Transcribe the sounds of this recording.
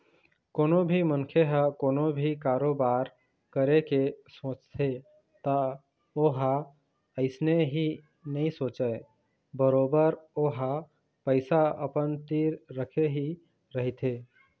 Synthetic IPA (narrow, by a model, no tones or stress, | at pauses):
koːnobʱimənkʰeɦəkoːnobʱikaːɾoːbaːɾ | kəɾekesõːt͡ʃt̪ʰe | t̪a | oːɦa | əɪsneɦi | nəɦĩsoːt͡ʃəe | bəɾoːbəɾoːɦa | pəɪsaə̰pənt̪iːɾːəkʰeɦi | ɾəɦit̪ʰe